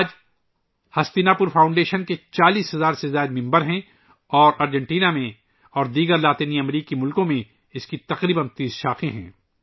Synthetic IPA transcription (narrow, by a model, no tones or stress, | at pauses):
aːd͡ʒ | hɐst̪inapʊɾfaːʊ̃ɳɖeːʃənket͡ʃaːliːsɦɐzaːɾsezaːɪd̪mɪ̃mbəɾɦɛ̃ | ɔːɾaːɾd͡ʒɛ̃ɳʈiːnamẽ | ɔːɾd̪iːɡəɾlaːt̪iːniɐmɾiːkimʊlkõmẽ | ɪskit̪ɐqɾiːbənt̪iːsʃaːqẽɦɛ̰̃ː